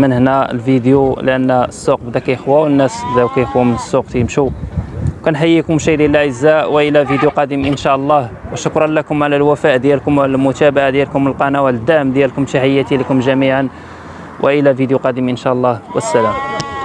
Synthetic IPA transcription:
mənhnælfid̪juləʔənːəsːuq̚bəd̪ækæjəxwawənːæsbəd̪æwkæjəxwmənəsːuq̚t̪imʃu | kænħajːikʊmʃæjd̪inəlʕəzːæʔwəʔəlævid̪juqɑd̪əmʔənʃæʔlˤːɑhwəʃʊkɾˤɑnlakʊmʕalælwæfæʔd̪jælkʊmlmʊt̪æbaʕad̪jælkʊməlqɑnæwaəd̪ːæmd̪jælkʊmt̪iħijːat̪ilkʊmʒæmiʕan | wʔə̰ʔəlævid̪juqɑd̪əmʔənʃæʔəlˤːɑhwə̰sːælæm

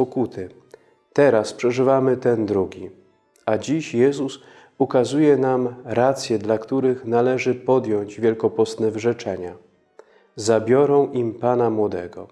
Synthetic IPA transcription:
pɔkut̪ʰɘ | t̪ɛɾaspʂɛʐɘvamɘt̪ɛnd̪ɾuɡʲi | ad͡ʑiɕjɛzus | ukazujɛnamɾat̪sʲjɛd̪lakt̪uɾɘxnalɛʐɘpɔd̪jɔɲd͡ʑvʲjɛlkɔpɔst̪nɛvʐɛt͡ʂɛɲa | zabʲjɔɾɔ̃w̃impanamwɔd̪ɛɡɔ̰

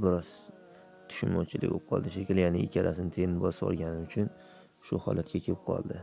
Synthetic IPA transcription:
bɪɾɒz̥ | t̪ʰʊ̥ʃʊnmɒt͡ʃʰɪlɪ̰kʲbo̰p̚qʰɒ̰lˠd̪ɪʃ̬ekʲɪljanɪɪ̰kʲʰaɾasɪnɪt̪ʰeɪnbɒsɒ̰ɾˠɡʲanɪʊt͡ʃʰʊn | ʃʊhɒ̰lʔat̪kʲakʲʰeɾp̚qʰɒ̰lˠd̪ɪ

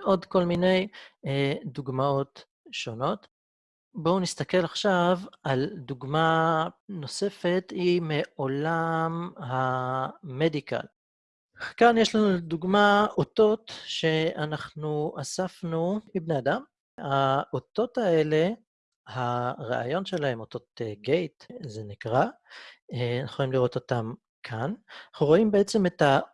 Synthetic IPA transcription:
ʔo̞d̪ko̞lmine̞j | d̪uɡmao̞t̪ | ʃo̞no̞t̪ | bo̞unist̪ake̞laχʃavald̪uɡmano̞se̞fe̞t̪imeʔo̞lamha | medika̰l | kanjeʃlanuduɡmaot̪o̞tʃe̞anaχnuasafnumibnead̪am | haʔoto̞t̪ae̞le̞ | haʁa̰a̰jo̞nʃe̞lae̞mo̞t̪o̞teɡejt̪zenikʁa | nχolimliʁo̞t̪o̞t̪am | kʰanaχnuʁo̞imbeet͡se̞meta

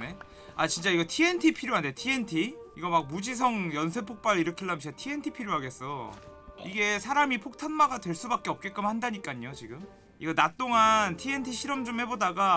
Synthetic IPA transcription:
ne̞ | at͡ɕint͡ɕ͈aiɡʌtʰie̞ntʰipʰiɾjoɦandetʰie̞ntʰiiɡʌmak̚mud͡ʑis̬ʰʌŋjʌns̬ʰe̞pʰok̚p͈aɾiɾʌkʰiɭːamt͡ɕit͡ɕatʰie̞ntʰipʰiɾjoɦaɡe̞s͈ʌ | iɡe̞sʰaɾamipʰok̚tʰanmaɡadwe̞ɭs͈ubak͈e̞ʌp̚k͈ek͈amhandaɲik͈aɲot͡ɕiɡɯm | iɡʌnat͈oŋantʰie̞ntʰiɕʰiɾʌmd͡ʑomhe̞bodaɡa

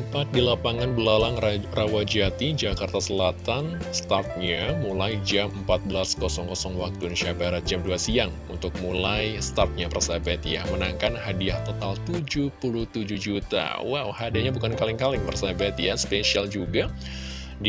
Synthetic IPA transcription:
pat̪̚dilapaŋanbəlalaŋrawad͡ʒat̪id͡ʒakart̪asəlat̪an | st̪art̪̚ɲamulajd͡ʒaməmpat̪̚bəlaskɔsɔŋkɔsɔŋwak̚t̪uniʃiabaɾat̪̚d͡ʒamduasiaŋ | unt̪ʊk̚mulajst̪art̪̚ɲapərsabat̪ja̰mənaŋkanhadiaht̪ot̪alt̪ud͡ʒupuluht̪ud͡ʒuhd͡ʒut̪a̰wa̰whadaɲabukankalɪŋkalɪŋpərsabat̪jaspeʃiald͡ʒuɡa | d

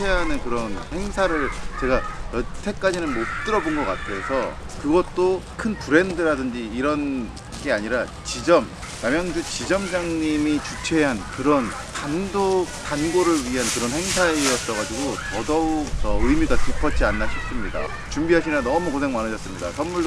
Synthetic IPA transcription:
eɦanɯnkɯɾʌnhe̞ŋsʰaɾɯɭt͡ɕe̞ɡajʌtʰe̞k͈̚ad͡ʑinɯnmot̚t͈ɯɾʌbonɡʌk͈atʰe̞sʰʌ | kɯɡʌt̚t͈okʰɯnpuɾe̞ndɯɾadɯnd͡ʑiːɾʌn | ɡe̞aɲiɾa | t͡ɕid͡ʑʌm | jamjaŋd͡ʑut͡ɕid͡ʑʌmd͡ʑaŋɲimit͡ɕut͡ɕʰe̞ɦankɯɾʌn | tandotanɡoɾɯɭɥiɦankɯɾʌnɦe̞ŋsʰaejʌts͈ʌɣad͡ʑiɡotʌdʌusʰʌɯjmiɡakipʰʌt͡ɕ͈ianːaɕʰʌs͈ɯmɲida̰ | t͡ɕumbiɦaɕʰinanʌmukonʰeŋmanɯd͡ʑʌs͈ɯmɲida̰sʰʌnːuɭd

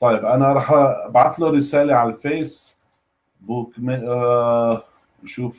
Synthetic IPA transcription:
t̪ˤɑjːɪbʔanaɾˤɑːħbʕat̪luɾˤɪsaːleʕalfeːs | buːkme | ʃuːf

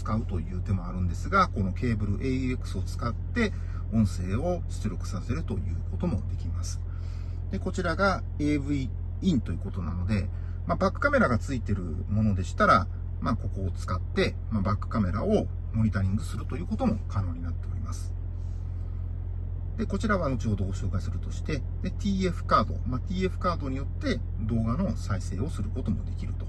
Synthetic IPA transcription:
t͡sɨ̥kaɯ̟t̪o̞jɯ̟ːt̪e̞mo̞aɾɯ̟̃nd̪e̞sɨɡako̞no̞ke̞ːbɯ̟ɾɯ̟ʔeekɯ̟̥sɨo̞t͡sɨ̥kat̪ːe̞ | õ̞ɰ̃se̞ːo̞ɕɨ̥t͡sɨɾʲokɯ̟̥sase̞ɾɯ̟t̪o̞jɯ̟̰ːko̞t̪o̞mo̞d̪e̞kʲimasɨ̥ | d̪̥e̞ko̞t͡ɕiɾaɡa | e̞ːbɯ̟i | ĩnt̪o̞jiɯ̟ko̞t̪o̞na̰no̞d̪e̞ | mabakːɯ̟̥kame̞ɾaɡat͡sɨit̪e̞ɾɯ̟̰ | mo̞no̞d̪e̞ɕi̥t̪aɾa | mako̞ko̞ːt͡sɨ̥kat̪ːe̞ | mabakːɯ̟̥kame̞ɾa̰o̞ | mo̞ɲ̟it̪aɾʲĩŋɡɯ̟sɨɾɯ̟t̪o̞jɯ̟ːko̞t̪o̞mo̞kʰano̞ːɲ̟inat̪ːe̞o̞ɾʲimasɨ̥ | d̪̥e̞ko̞t͡ɕiɾaβamo̞t͡ɕiho̞d̪o̞ɡo̞ɕo̞ːkaisɨɾɯ̟t̪o̞ɕi̥t̪e̞ | d̪e̞t̪ʲiːe̞ɸɯ̥kaːd̪o̞̰mat̪ʲiːe̞ɸɯ̟̥kaːd̪o̞ɲ̟ijo̞t̪ːe̞ | d̪o̞ːɡano̞saise̞̰ːo̞sɨɾɯ̟ko̞t̪o̞mo̞d̪e̞kʲiɾɯ̟t̪o̞̥

